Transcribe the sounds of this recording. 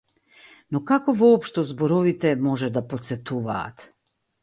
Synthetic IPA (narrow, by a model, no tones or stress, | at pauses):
nɔkakɔvɔːpʃt̪ɔzbɔɾɔvit̪ɛmɔʒɛd̪apot̪sɛt̪uva̰ːt̪